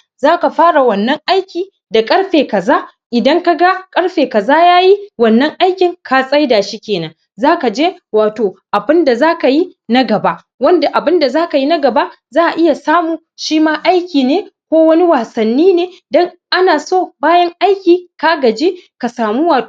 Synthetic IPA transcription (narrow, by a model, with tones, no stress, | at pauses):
zaː˦ka˨ɸaː˦ɽa˨wɐ˨nːɐ˦ŋʔa˦jkʲiː˨ | da˨kʼɐ˦ɽɸeː˨kɐ˨zaː˦ | ʔɪ˨dɐ˦ŋka˨ɡa˦kʼɐ˦ɽɸeː˨kɐ˨zaː˦jaː˦ji˦wɐ˨nːɐ˦ŋʔa˦jkʲɪ˨ŋkʰa˨sʼɐ˦jdaː˨ʃi˦kʲeː˨nɐ˦ŋ | zaː˦ka˨d͡ʒeː˦waː˨toː˨ʔa˨bɪ˦nda˨zaː˦ka˨ji˦ | nɐ˦ɡɐ˨ba˦ʔ | wɐ˦nda˨ʔa˨bɪ˦nda˨zaː˦ka˨ji˦nɐ˦ɡɐ˨ba˦ | zaː˦ʔa˨ʔɪ˦ja˨saː˦muː˨ | ʃiː˦maː˦ʔa˦jkʲiː˨neː˦kʷoː˦wɐ˦ni˦waː˨sɐ˨nːiː˦neː˨dɔ˦ŋʔa˦naː˨soː˦˨baː˦jɐ˦ŋʔa˦jkʲiː˨ka˦ɡɐ˨d͡ʒeː˦ka˨saː˨mu˦waː˨